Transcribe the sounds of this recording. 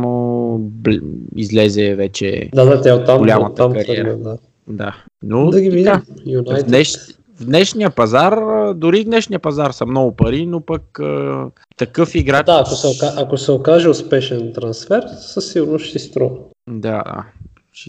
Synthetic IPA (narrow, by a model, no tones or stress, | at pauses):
mobḭzlɛzɛvɛt͡ʃɛ̰d̪ad̪at̪aot̪ːamɡʊlʲamət̪əamkɐɾɐɛd̪a | d̪a̰ | nod̪ɐɡivid̪ajunjtd̪nɛʃ | vd̪nɛʃnijəpɐzaɾəd̪ʊɾivd̪nɛʃnijəpɐzaɾsɐmnɔɡʊpɐɾinopəkə | t̪ɐkɤfiɡɾad̪aːkosɛokaʔɐkosɛokaʒɛʊspɛʃɛnt̪ɾɐnsfɛɾsəsiɾnoʃt̪ist̪ɾɔ | d̪ad̪a̰ | t͡ʃ